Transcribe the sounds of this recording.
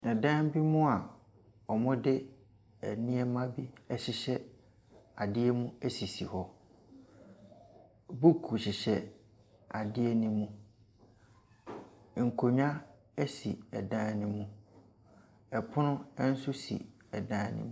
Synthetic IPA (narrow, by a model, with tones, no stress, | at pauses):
nã˨dã˦n˦bi˦mʊ̃˦a˨ | ɔ˨mɔ̃˦dɪ˦ | ɛ˨nĩ˦ɛ˦mã˦bi˦ɛ˦ɕɪ˨ɕɛ˦ | a˨dɪ˦ɛ˦mũ˦ɛ˦si˨si˨hɔ˦ | bu˦kʰu˨ɕɪ˨ɕɛ˨ | a˨dɪ˦ɛ˦nĩ˦mũ˦ | ŋ̩˨kʰo˨ɲᶣã˦ | ɛ˦sḭ˨ɛ˨dã˦nɪ̃˦mũ˦ | ɛ˨pʰʊ˦nʊ̃˦ɛ˦n̩˦sʊ˦sḭ˨ | ɛ˨dã˦nɪ̰̃˦m̃˦